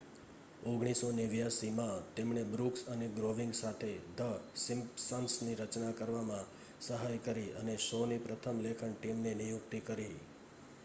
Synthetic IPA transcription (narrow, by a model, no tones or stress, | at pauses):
oɡɽ̃isoneʋjasimãt̪emɳebɾuksəneɡɾoʋĩŋɡsat̪ʰed̪əsɪ̃mpsənsniɾət͡ʃnakəɾʋamã | səɦajkəɾiənesɔnipɾət̪ʰəmlekʰəɳʈimnenijʊkt̪ikəɾi